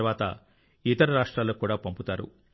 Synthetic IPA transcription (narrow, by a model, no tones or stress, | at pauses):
ʋaːt̪ɐ | it̪ɐɾɐɾaːʂʈɾaːloːkuːɽaːpɐmput̪aːɾṵ